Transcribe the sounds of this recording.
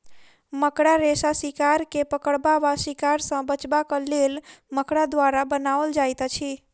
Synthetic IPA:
məkɽaɾesasikaɾkepəkəɭbaʋasikaɾsə̃bət͡ʃbakəlːilməkɽad̪ʋaɾabənaʋəld͡ʒajt̪ət͡ʃʰi

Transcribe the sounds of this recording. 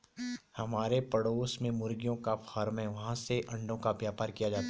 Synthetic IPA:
hɐmaːɾepɐɽoːsmẽmʊɾɡijõkafaːɾmɦɛ̃ʋɐɦãseʔɐ̃ɳɖõkaʋjaːpaːɾkijad͡ʒaːt̪a

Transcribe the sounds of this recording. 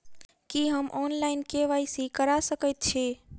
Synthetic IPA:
kiɦəmʔɔnlaɪnkeʋajsikəɾasəkəjt̪̚t͡ʃʰe

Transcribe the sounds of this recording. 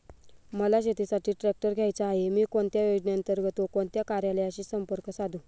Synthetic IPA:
məlaɕet̪isaʈiːʈɾɛk̚ʈəɾɡʱjajt͡saːɦemiːkoɳt̪jajod͡ʑɳjant̪əɾɡʱət̪okoɳt̪jakaɾjaləjaɕiːsəmpəɾkəsad̪ũː

